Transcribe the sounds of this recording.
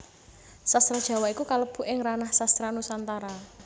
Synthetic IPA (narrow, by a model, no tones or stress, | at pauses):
sast̪ɾad̥ʒ̥a̤waikukaləb̥ṳʔɪŋranahsast̪ɾanusant̪aɾa